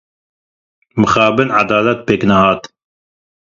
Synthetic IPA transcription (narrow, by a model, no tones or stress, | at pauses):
mɨxɑːbɨnʕad̪ɑːlat̪̚peːknɐɦɑːt̪